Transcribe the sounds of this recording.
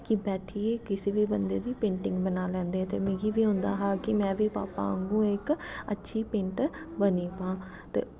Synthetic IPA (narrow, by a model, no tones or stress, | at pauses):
kɪbɛːʈʰieːkɪsiːbiːbənd̪eːd̪iːpẽːɳʈɪ̃ŋɡbənaːlɛ̃ːnd̪eːɛ̃t̪ḛːmeːɡiːʋiːɦʊ̃ːnd̪aːɦaːkɪmɛ̃ːʋiːpa̰ːpã̰ːŋɡũːɪkətːʃʰiːpẽːɳʈbəniːpãː | t̪ḛː